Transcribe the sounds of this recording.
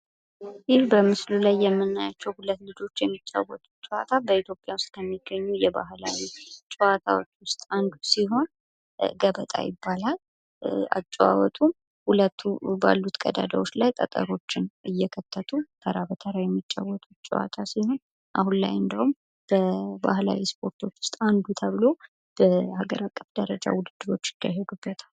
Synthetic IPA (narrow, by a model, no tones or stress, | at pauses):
jɪlbəmɨslulajːɛmːɨnːajat͡ʃːɛwhulət̪ːlɨd͡ʒo̞t͡ʃːjɛmːit͡ʃʼːa̰wːɔt̪ʼut͡ʃʼɛwa̰t̪ʰabəit̪ʰjo̞pʼjawʊst̪ʼkʰəmːiɡːəɲːujɛba̰ɦla̰wit͡ʃʼɛwat̪ʰawot͡ʃːwʊst̪ʼand̪usiɦo̞n | ɡəβət̪ʼa̰jɪ̰bːalal | a̰t͡ʃʼːua̰wɔt̪ʰum | hulət̪ʰːuba̰lːut̪kʼəd̪a̰d̪awo̞t͡ʃːlajt̪ʼət̪ʼə̰ɾo̞t͡ʃːɪnɨjːɛkʰət̪ːət̪ʰʼuk̪ʰəɾaβət̪ʰəɾajɛmːit͡ʃʼːawːɔt̪ʼut͡ʃʼɛwa̰t̪ʰasiho̞n | ʔa̰hunla̰jɨnd̪əhum | b̥əba̰hla̰wispʰo̞ɾt̪ʰo̞t͡ʃːwʊ̥st̪ʼand̪ut̪ʰəβɨlo̞ | b̥əhaɡəɾakʼːəfd̪əɾəd͡ʒa̰wʊd̪ɨd̪ːɨɾo̞t͡ʃːjɪd̪aɦeɡubːət̪ʰal